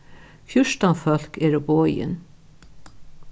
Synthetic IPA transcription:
fjʊʃt̪anfœl̥kɛɾɔboːjɪ̰n

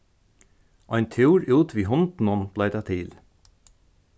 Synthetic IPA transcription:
ʔæɪnt̪ʰuːɾʔʉːt̪ʰʋiːhɔnd̪n̩ɔnb̥lɑɪt̪ʰɑːt̪ʰiːl

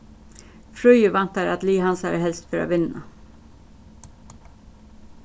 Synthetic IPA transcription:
fɾʉʏəʋɛnt̪ɑɾɑ̰t̪liːhɑnsɑə̰hɛlst̪fœɾo̰ːʋɪnːɑ

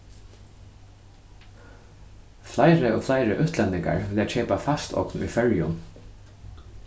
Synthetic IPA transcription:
flaɪɾɪɔːflaɪɾɪʔʉht̪lɛnːɪŋka̰ɹʋlat͡ʃʰɛːpafast̪ɔ̰knṵjfœɹjʊ̰n

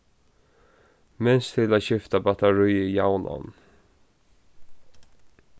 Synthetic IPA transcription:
mɛnst̪ʰɪlaɕʏft̪abɑt̪ʰaɹʉʏjaʊnʔa̰n

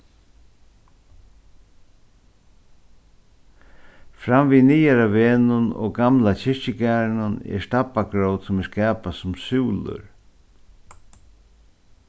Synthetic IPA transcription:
fɾamviniːjaɾaveːnʊnɔ̰ɡamlat͡ɕɪɹɕɪkɛːɾnʊnɛ̰ɹst̪apaɡɾowt̪sʊmɛɹskɛːpasʊmsuːlʊ̰ɾ

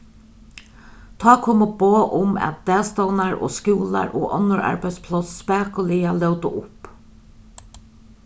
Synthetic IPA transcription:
t̪ʰɑːkʰoːmʊboːʔʊmæ̰t̪̚d̪̥ɛːst̪ɔwnaɹo̰ːskuːla̰ɹʔoːʔɔ̰nʊɹa̰ɹbæj̪spʰlɔsspæːkʊliːalœwt̪ʊʔʊp

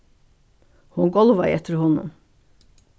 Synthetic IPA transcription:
hʊnɡɔlʋɑɪɛt̪ʰəɾhɔnʊ̰m

